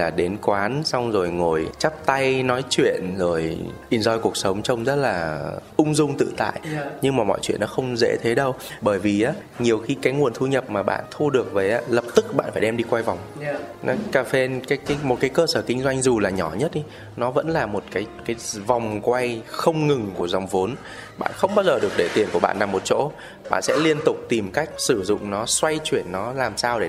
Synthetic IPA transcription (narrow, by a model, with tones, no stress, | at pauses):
laː˨˩ɗe˨˦nkwaː˨˦nswŋ͡mzo˨˩jŋo˨˩jt͡ɕa˦˥p̚t̪a˧jnɔ˨˦jt͡ɕwḭ˧˨ənzo˨˩jʔi˧˩nzɔ˧jku˨˩ək̚sə˨˦wŋ͡mt͡ɕə˧wŋ͡mzə˦˥t̚laː˨˩ʔʊ˧ŋ͡mzʊ˧ŋ͡mt̪ɨ̰˧˨t̪a̰ː˧˨jɲɨ˧ŋmaː˨˩mɔ̰˧˨jt͡ɕwḭ˧˨ənːɔ˨˦xə˧wŋ͡mzḛ˧˥t̪ʰe˨˦ɗə˧wɓəː˧˩jvi˨˩ʔaː˨˦ | ɲi˨˩əwxi˧kaː˨˦jŋu˨˩ənt̪ʰu˧ɲə˨˩p̚maː˨˩ɓa̰ː˧˨nt̪ʰu˧ɗɨ˨˩ək̚vəː˨˦jʔaː˨˦lə˨˩p̚t̪ɨ˦˥k̚ɓa̰ː˧˨nfaː˧˩jɗɛ˧mɗi˧kwa˧jva˨˩wŋ͡mnɔ˨˦kaː˧˩fe˧nkaː˨˦jkaː˨˦jmo˨˩t̚kaː˨˦jkəː˧səː˧˩kï˧ŋ̟zwa˧jŋ̟zu˨˩laː˨˩ɲɔ˧˩ɲə˦˥t̚i˨˦ | nɔ˨˦və̰˧˥nlaː˨˩mo˨˩t̚kaː˨˦jkaː˨˦jva˨˩wŋ͡mkwa˧jxə˧wŋ͡mŋɨ˨˩ŋku˧˩əza˨˩wŋ͡mvo˨˦n | ɓa̰ː˧˨nxə˧wŋ͡mɓaː˧wzəː˨˩ɗɨ˨˩ək̚ɗe˧˩t̪i˨˩ənku˧˩əɓa̰ː˧˨nlaː˨˩mo˨˩t̚t͡ɕo̰˧˥ | ɓa̰ː˧˨nsɛ̰˧˥li˧ənt̪ʊ˨˩k͡p̚t̪i˨˩mka˦˥jk̟̚sɨ˧˩zʊ̰˧˨ŋ͡mnɔ˨˦swa˧jt͡ɕwi˧˩ənːɔ˨˦laː˨˩msaː˧wɗe˧˩